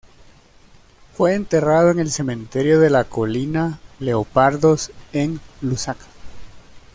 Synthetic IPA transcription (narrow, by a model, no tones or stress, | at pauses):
fwe̞ːnt̪e̞raðoeŋe̞lse̞mẽ̞nt̪e̞ɾjo̞ðe̞lako̞linale̞opaɾðoseŋlusakḁ